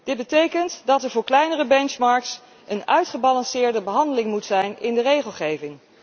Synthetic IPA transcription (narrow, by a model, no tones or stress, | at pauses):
d̥ɪd̚bətejkəntdɑtɛɹvʊːɹklɛjnərəbɛnt͡ʃmɑɹks | ənœɥtχəbɑlɑnsɪːɹdəbəɦɑndəlɪŋmutsɛjnɪndərejχəlˠχejvɪŋ